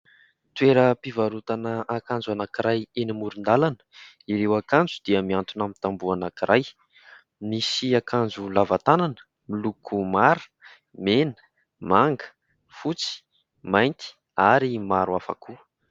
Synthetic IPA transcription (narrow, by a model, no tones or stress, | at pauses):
t̪weɾəpivaɾut̪anəakand͡zuanakiɾajenimuɾund̪alanə̥ | iɾewakand͡zud̪̥iəmiant̪unamint̪ambuanakiɾʔaj | misiakand͡zulavat̪ananə̥ | milukʰumaɾu̥ | menə̥ | maŋɡə̥ | fut͡si̥ | majnt̪i̥ | aɾimaɾuafa̰ku